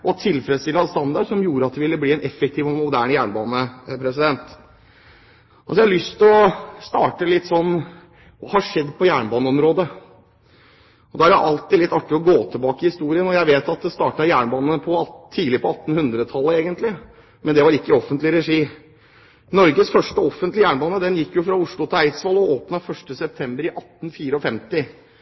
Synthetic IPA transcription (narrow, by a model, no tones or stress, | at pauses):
ɔɑt̪ʰɪlfɾɛd̪st̪ɪlːɑst̪ɑnd̪ɑɖʂɔmjuːɾəɑt̪̚d̪ɛʋɪlːəbliːɛnʔɛfək̚t̪ʰiːʋɔmʊd̪æːɳjæːɳbɑːnəpʰɾɛsɪd̪ɛnt̪ | sɔjæɪhɑlʏst̪ʰɪɔst̪ɑːʈəlɪt̪ːsɔnː | ʋɑːhɑʂɛd̪ːpʰɔjæːɳbɑːnəɔmɾoːd̪ə | ɔd̪ɑæɾjæʔɑlt̪ɪd̪lɪt̪ːɑʈːɪɔɡoːt̪ʰɪlbɑːkəɪhɪst̪uːɾɪənɔjæɪʋeːt̪ɑt̪̚d̪ɛst̪ɑːʈɑjæːɳbɑːnnəpʰɔɑiːlɪpʰɔɑt̪ːn̩hʉnd̪ɾət̪ʰɑlːəeːɡənt̪lɪ | mɛnd̪ɛʋɑɾɪkːəɔfənt̪lɪəɾɛʂiː | nɔɾɡəsfœʂʈəɔfənt̪lɪjæːɳbɑːnəd̪ɛnjɪkːjʊfɾɑʊʂɭʊt̪ʰɪlæɪsʋɑlɔoːpnɑfœʂʈəsɛp̚t̪ʰɛmbəɾɪʔɑt̪ːn̩fiːɾəɔfɛmt̪ɪ